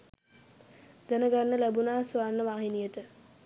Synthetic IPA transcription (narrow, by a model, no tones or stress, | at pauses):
d̪ænəɡanːəlæbunaːsuanːəʋaːɦinijəʈə